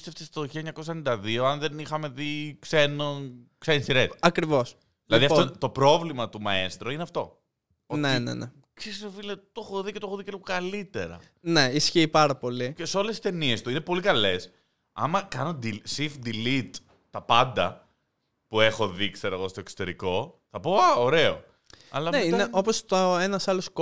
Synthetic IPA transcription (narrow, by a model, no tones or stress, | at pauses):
st̪eft̪est̪oçilɐeɲɐko̞senid̪ɐðio̞ɐnðenixɐme̞ðikse̞noksenisiɾet̪ɐkɾivo̞s | ðlɐðiɐfot̪o̞pɾo̞vlimɐt̪umɐest̪ɾo̞ineɐft̪o̞ | onenḛne | ksesnofilet̪oxoðiceooðicelipokɐlit̪e̞ɾɐ̰ | ne̞isçiːpɐɾɐpo̞lieseo̞lesist̪e̞nie̞st̪uinepo̞likɐle̞s | ɐ̰mɐkɐno̞d̪isifd̪ilit̪ː | ɐpɐnd̪ɐ | pue̞xo̞ðikseɾoɣo̞st̪o̞eksot̪e̞ɾiko̞θɐpo̞ɐoɾe̞o̰ | ɐ̰lɐneineʔo̞post̪oenɐsɐlosk